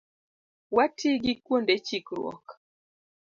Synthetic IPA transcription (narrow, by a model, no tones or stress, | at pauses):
watʰiɡɪkwondet͡ʃikɾwɔ̰k